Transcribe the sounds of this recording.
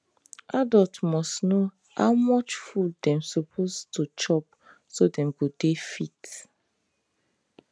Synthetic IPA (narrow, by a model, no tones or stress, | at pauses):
ʔadɔltmɔsno | ha̰wmɔt͡ʃfuldɛ̃msɔpʰostut͡ʃɔp̚ | sodɛ̃mɡodefit